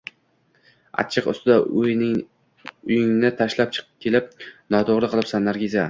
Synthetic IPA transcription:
a̰t͡ʃʰɨqʊ̰st̪ɪd̪aʊj | ʊjɪŋnɪt̪ʰaʃlap̚t͡ʃʰɨ̥qʰp̚kʲʰe̞lɪp̚nɒt̪ʰoʁɾɪqʰɨlˠɪpsanːaɾɡʲiza

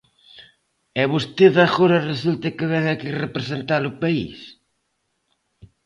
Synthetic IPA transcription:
ɛβust̪eðaɣoɾɐresult̪ɪkɪβɛŋakirepɾesent̪aɾʊpaḭs

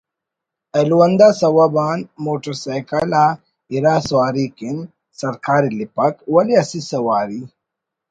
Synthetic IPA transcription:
ɐluwɐnd̪aːsɐwabaːnmoːʈɐɾsaːjkɐlaː | iɾaːswaːɾikin | sɐɾkaːɾilipɐkwɐliɐsisɐwaːɾi

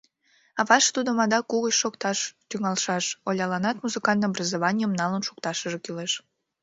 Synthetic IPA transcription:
ɑβɑʃt̪ud̪omɑd̪ɑkuɣət͡ɕʃokt̪ɑʃt̪yŋɑlʃɑʃolʲɑlɑnɑt̪muzɨkɑnt̪brəzoβɑnʲijəmnɑlənʃu̥kt̪ɑʃəʒekyleʃ

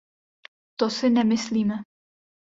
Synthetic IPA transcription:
t̪osɪnɛmɪsliːmɛ

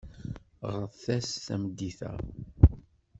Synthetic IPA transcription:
ʁəðˤθæsθæmd̪ːiθæ̰

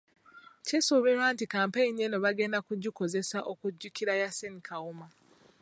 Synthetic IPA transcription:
cesoβe̞ɾwaːntikaːmpeinenoβaɡe̞ːndakuɟiko̞ze̞saʔokuɟːukiɾajasenikawuma

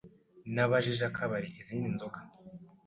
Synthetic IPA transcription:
naβaʒiʒakʰaβaɾiʔiziːndinzokḁ

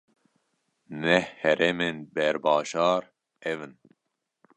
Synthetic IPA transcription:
nɛhhɛɾemenbɛɾbɑːʒɑːɾ | ɛvɨn

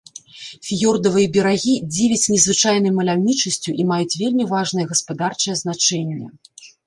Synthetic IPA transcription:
fʲijɔrd̪ɐvɨjɛbʲɛɾaɣʲid͡zʲivʲɛt͡sʲnʲɛzvɨt͡ʂajnɐjmɐlʲawnʲit͡ʂɐsʲt͡sʲuʔimajut͡sʲvʲelʲmʲivaʐnɨjɛɣɐspad̪art͡ʂɨjɛzn̪at͡ʂɛnʲːɛ̰

